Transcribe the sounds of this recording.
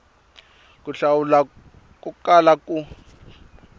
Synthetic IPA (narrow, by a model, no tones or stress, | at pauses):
kʼuɬawula | k̬ʼukʼalakʼu